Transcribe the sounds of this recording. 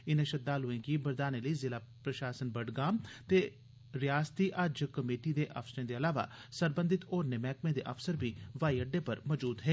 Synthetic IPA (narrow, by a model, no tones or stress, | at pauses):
ɪnẽːʃət̪ːaːlɦʊẽːɡiːbəɾd̪aːneːləiːzɪlaːpɾəʃaːsənbəɖɡaːmt̪eː | ɾɪjaːst̪iːʔəd͡ʒkəmeːʈiːd̪eːʔəfsəɾẽːd̪eːəlaːʋa̰ːsəɾbə̃nd̪ɪt̪ɔːɾnemɛːkmẽːd̪eːʔə̰fsəɾbiːʋaːiəɖːeːpəɾmɔːd͡ʒuːd̪ɦɛː